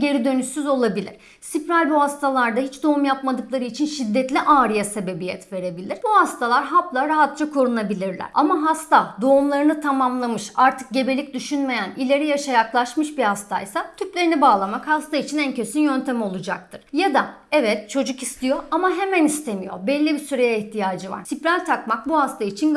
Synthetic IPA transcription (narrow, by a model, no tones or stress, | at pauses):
ɟe̞ɾid̪ø̞nyʃsyzo̞lˠabilʲḭɾ̥ | sipɾælʲbuhast̪ʰalˠaɾd̪aɦit͡ʃd̪o̞umjapmad̪ɯklˠaɾɯit͡ʃʰinʃid̪ːɛt̪lʲiʔaːɾijase̞be̞bijɛt̪ve̞ɾe̞bilʲiɾ̥buhast̪ʰalˠaɾɦaplˠaɾaɦat̪̚t͡ʃakʰo̞ɾunabilʲiɾlʲæ̰ɾ̥a̰maɦast̪ad̪o̞umlˠaɾɯnɯt̪ʰamamlˠamɯʃaɾt̪ʰɯ̥k̚ɟe̞be̞lʲic̚d̪yʃynme̞jænilʲe̞ɾijaʃajaklˠaʃmɯʃbihast̪ʰa̰jsat̪ʰyplʲe̞ɾinibaːlˠamakhast̪ait͡ʃʰinæncʰe̞synjønt̪ʰemo̞lˠud͡ʒak̚t̪ʰɯɾ̥jad̪a | ɛvɛt̪̚t͡ʃʰo̞d͡ʒukist̪ʰijo̞amaɦe̞mænist̪ʰe̞mijo̞̰ɾbɛlʲːibisyɾajaiçt̪ʰijaːd͡ʒɯva̰ɾsʰipɾʲalʲt̪ʰakmak̚buhast̪ʰait͡ʃʰin